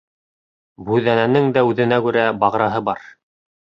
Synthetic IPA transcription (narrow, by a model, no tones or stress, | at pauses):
bʉðænænɘŋd̪æʉðɘ̆nækʉɾæbɑʁɾɑɦɤbɑɾ